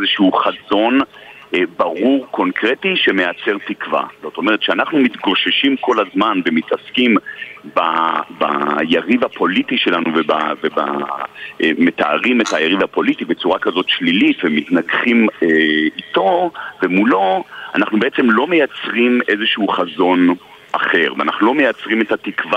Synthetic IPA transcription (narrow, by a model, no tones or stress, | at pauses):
zeʃuχazo̞n | baʁuʁko̞nkʁetiʃe̞me̞jat͡se̞ʁtikva̰z̥o̞t̪o̞meʁetʃeanaχnumit̪ɡoʃeʃimko̞lazmanve̞mitaskimbaba̰jaʁivhapo̞litiʃe̞lanuveba̰veba̰ | met̪aaʁimethajaʁivapo̞litibe̞t͡suʁakazo̞tʃlilitvemitnaɡχimeito̞vemulo̞a̰naχnubeet͡se̞mlo̞mejat͡sʁime̞zeʃuuχazo̞n | ʔaχe̞ʁva̰naχnulo̞mejat͡sʁime̞thatikva